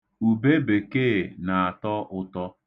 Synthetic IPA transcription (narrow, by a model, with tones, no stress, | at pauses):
u˨be˦be˨keː˦˨na˨a˨tɔ˦ʔʊ˦tɔ˦